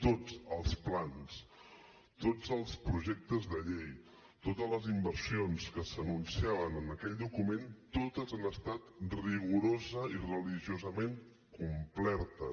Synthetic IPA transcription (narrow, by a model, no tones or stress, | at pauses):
t̪od͡zəlˠsplans | t̪od͡zəlˠspɾuʒɛk̚t̪əzðəʎej | t̪ot̪ələzimbəɾsionskəsənunsiaβənənəkɛʎʲd̪ukument̪ot̪əzanəst̪at̪riɣuɾozəirəliʒiuzəmeŋ | kumplɛɾt̪ə